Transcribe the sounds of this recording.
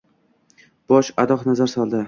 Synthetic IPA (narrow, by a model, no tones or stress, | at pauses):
b̥ɒʃad̪ɒχnazaɾsɒlˠd̪ɪ